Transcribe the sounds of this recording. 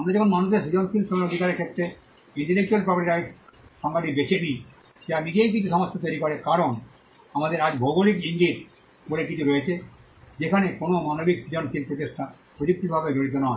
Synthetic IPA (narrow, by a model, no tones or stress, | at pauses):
amed͡ʑɔkʰonmanuʃ̬eɾsid͡ʑɔnpilponod̪ʱikaɾeɾkʰet̪ːɾe | iɳʈelek̚t͡ɕualpɾɔpoʈiɾaʃɔŋɡad̪ibekʰeni | ʃeamiɡejk̬it͡ɕʰuʃɔmɔst̪ʰot̪oeɾikɔɾekaɾon | amad̪eɾad͡ʑbʱowɡolikiŋɡit̪ | bolek̬it͡ɕʰuɾojet͡ɕʰe | d͡ʑekʰanekonomanobiksid͡ʑɔnfilpɾot̪eʃʈʰa | pɾod͡ʑuk̚t̪ibʱabeɡoɽit̪̬onɔe